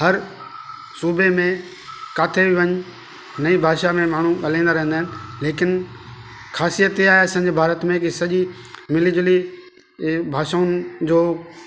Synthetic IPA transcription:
ɦɐɾ | suːbʱemẽ | kaːt̪ʰebiʋɐɲʊ | nɐibʱaːʃamẽmaːɳ̤uɐlãːnd̪aɾɐɦə̃nd̪aːɦɪnɪ̆leːkɪn | xʰaːsijət̪ɦiːaːɦeɐsãːɲd͡ʑiːbʱaːɾət̪mẽkisɐʄi | mɪlɪd͡ʑli | bʱaːʃaʊnɪd͡ʑoː

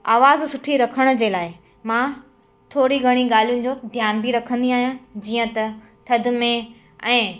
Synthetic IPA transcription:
aːʋaːzsʊʈʰiɾɐkʰəɽ̃ʊ̆d͡ʑeːlaːɪ | mã | t̪ʰoːɽiɡʱɐɽ̃iɠaːl̤ijʊnɪ̆d͡ʑoːd̪ʱjaːnbiɾɐkʰə̃nd̪iaːɦijãd͡ʑiːə̃t̪ɐ | t̪ʰɐd̪̆mẽ | ɛ̃ː

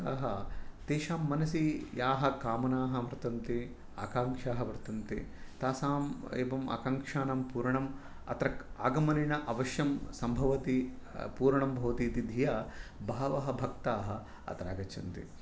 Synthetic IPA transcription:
aːɦɐt̪eːʃaːmːɐnɐsijaːɦɐkaːmɐnaːɦɐmɾt̪ɐnt̪i | a̰ːkaːŋkʂaːɦɐʋɾt̪ɐnt̪it̪aːsaːmeːbɐmɐ̰kaːŋkʂaːnɐmpuːɾɐɳɐm | ɐ̰t̪ɾɐkaːɡɐmɐliɳɐʔɐʋɐʃjɐmsɐmbʱɐʋɐt̪ipuːɾɳɐmbʱɐːt̪iːt̪id̪ʱijaːbʱaːʋɐɦɐbʱɐk̚t̪aːɦɐ̆ | ɐ̰t̪ɐɾa̰ːɡɐt͡ʃʰɐnt̪ḭ

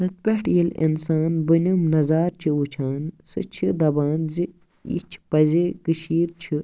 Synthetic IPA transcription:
sɐt̪̚pʲeʈʰjilḭnsaːnbɨnʲimnɐzaːɾt͡ʃʰiut͡ʃʰaːnsɨ̰t͡ʃʰid̪ɐbaːnzi | ḭt͡ʃʰpɐzekɨʃiːɾt͡ʃʰi

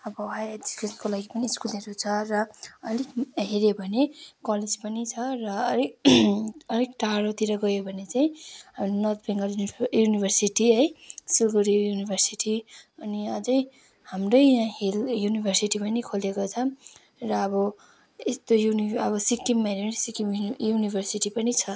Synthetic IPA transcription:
ʌbʌɦajed͡zikeskolaɡipʌniːskuleɾut͡sʰʌrʌːlikɦeɾebʱʌnekʌled͡zpʌnit͡sʰʌrʌ | ʌlikʈaɾot̪iɾʌɡʌjobʱʌnet͡saĩɦamɾonʌt̪ʰbʱeŋɡʌljunibʱʌrsiʈiɦʌjsilɡuɾijunibʱʌrsiʈiʌniʌd͡zʌj | hamrʌjãɦeljunibʱʌrsiʈipʌnikʰolekot͡sʰʌ | rʌːbʌ | est̪ojuniʌbʌsikːimːeɾisikimjunibʱʌrsiʈipʌnit͡sʰʌ

